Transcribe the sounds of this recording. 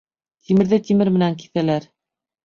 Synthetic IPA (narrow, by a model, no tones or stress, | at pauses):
t̪ʰimɘ̆ɾðɘt̪imɘɾmɘ̆næŋk̬i̥θælæɾ